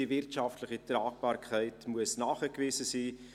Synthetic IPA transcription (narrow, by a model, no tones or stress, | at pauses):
ivɪrtʃɑftləχitraːk̚b̥ɑːrkʰɛɪtmuəsnɑːχəkvɪːsəsiː